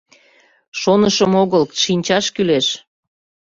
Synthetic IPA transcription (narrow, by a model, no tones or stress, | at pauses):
ʃonəʃəmoɣəlʃinʲt͡ɕɑʃkyleʃ